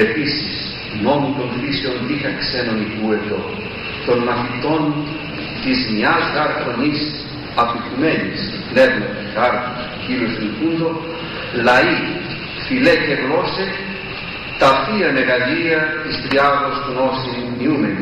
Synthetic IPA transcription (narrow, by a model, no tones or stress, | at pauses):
episis | momut̪onfisionðixɐksenonikuet̪o | t̪onmɐθit̪o̞n | t̪izmiazɣaɾt̪onis | ɐpit̪umenis | nevnet̪ixaɾt̪is | kilost̪inkund̪o | lɐi | filekeɣlose | t̪ɐfiɐmeɣɐliɐt̪ist̪ɾiaðosɣnosinniumeni